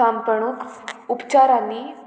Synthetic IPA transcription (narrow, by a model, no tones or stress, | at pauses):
ampəɳ̃ukupt͡ɕaɾani